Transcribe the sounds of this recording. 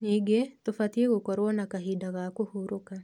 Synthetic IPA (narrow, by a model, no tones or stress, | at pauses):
niɡetofat̪ieɣokɔɾwɔnakaɦidaɣakohuɾoka